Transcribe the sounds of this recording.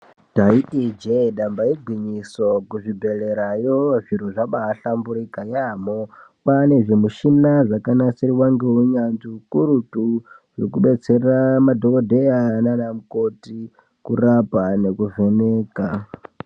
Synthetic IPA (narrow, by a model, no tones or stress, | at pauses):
taitid͡ʒeɗambaiɡʱwiɲisokuʐibʱe̞le̞ɾajoʐiɾoʐaɓaːɬambuɾikajamopane̞ʐemuʃinaʐakanasiɾiwaŋɡe̞uɲanziukuɾutu | ʐekuɓe̞t͡seramadʱokodʱe̞ananamuko̞ti | kurapane̞kuve̞neːka